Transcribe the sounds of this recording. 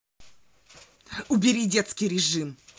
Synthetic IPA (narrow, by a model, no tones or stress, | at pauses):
ʊbʲɪɾʲidʲet̪skʲɪjɾʲɪʐɨm